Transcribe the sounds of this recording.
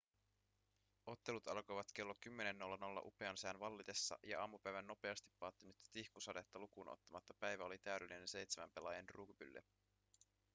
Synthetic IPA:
o̞t̪ːe̞lut̪ɑlko̞jʋɑt̪k̟e̞lːokymːe̞ne̞nːo̞lːɑno̞lːɑ̰ʔupe̞ɑnsæːnʋɑlːit̪esːɑ̰jɑ̰ʔɑːmupæjʋænːo̞pe̞ɑst̪i̥pːɑːt̪ːinyt̪ːt̪ihkusɑde̞t̪ːɑlukunʔo̰t̪ːɑmɑt̪ːɑpæjʋæo̞lit̪æyde̞lːine̞nse̞jt̪semæ̰mpe̞lɑjenruːkypy̰lːḛ

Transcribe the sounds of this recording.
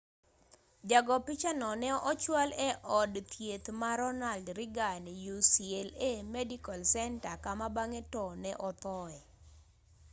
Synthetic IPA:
d͡ʒaɡɔpit͡ʃanɔnɛʔɔt͡ʃwalɛʔɔdt̪ʰjet̪maɾɔnaldɾɪɡanijusielemɛdikalsɛntakamabaŋetɔnɛʔɔt̪ɔɛ

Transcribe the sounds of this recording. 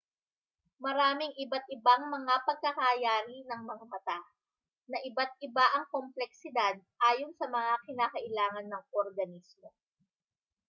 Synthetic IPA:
mɐɾaːmɪŋʔɪbat̪̚ɪbaŋmɐŋapɐɡ̚kɐkaːjaːɾinɐŋmɐŋamɐt̪a | nɐʔɪbat̪̚ʔɪbaʔɐŋkomplɛk̚sɪd̪ad̪̚ʔaːjonsɐmɐŋakɪnaːkɐʔɪlaːŋɐnːɐŋoɾɡɐnismo̞

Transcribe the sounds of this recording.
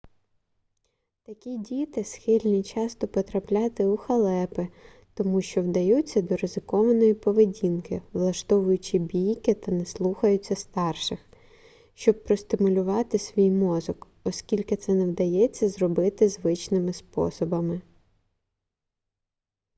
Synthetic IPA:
t̪ɐkʲidʲit̪ɪsxɪlʲnʲit͡ʃɑst̪ɔpɔt̪ɾɐplʲɑt̪ɪuxɐlˠɛpɪ | t̪ɔmuʃt͡ʃɔwd̪ɐjut͡sʲːɐd̪ɔɾɪzɪkɔʋɐnɔjipɔʋedʲinkɪʋlˠɐʃt̪ɔʋʊjʊt͡ʃɪbʲijkɪt̪ɐnɛslˠuxɐjʊt͡sʲːɐst̪ɑrʃɪx | ʃt͡ʃɔb̚pːɾɔst̪ɪmʊlʲʊʋɑt̪ɪsʲʋʲijmɔzɔk | ɔskʲilʲkɪt̪sɛnɛwd̪ɐjɛt͡sʲːɐzrɔbɪt̪ɪzʋɪt͡ʃnɪmɪspɔ̰sɔbɐmɪ

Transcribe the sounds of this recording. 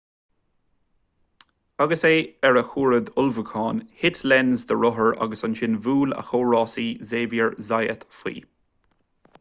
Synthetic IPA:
aɡəseːɛɹəxuːɹəd̪ʊlvəkʰɑːnhɪt̪ʰlɛnzd̪əɹʊɦəɹa̰ɡəsanʃɪnvuːlə̰xoːɹɑːsiːzeːvjəɹzajə̰t̪fḭː

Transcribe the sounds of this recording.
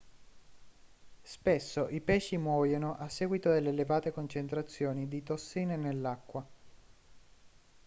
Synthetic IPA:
spesːoʔipɛːʃimwɔːjonoʔasːɛːɡwit̪od̪elːelevaːt̪ekont͡ʃent̪ɾat̪sːjoːnid̪it̪osːiːnenelːakːwa

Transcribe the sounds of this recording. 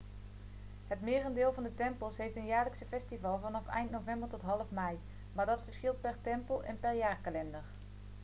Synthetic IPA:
ɦətmɪːrəndɪːlˠvɑndətɛmpəlˠsɦejftənjaːɹləksəfɛstivɑlˠvɑnɑfɛ̰jntnowvɛmbəɹtɔtɦɑlˠəfmɛj | maːɹdɑtfəɹsχɪlˠt̚pɛɹtɛmpəlˠʔɛ̰npɛɹjaːɹkalɛndəɹ

